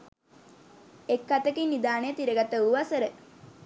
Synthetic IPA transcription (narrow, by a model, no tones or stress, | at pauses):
ekːat̪əkinid̪aːnəjət̪iɾəɡat̪əuʋasəɾə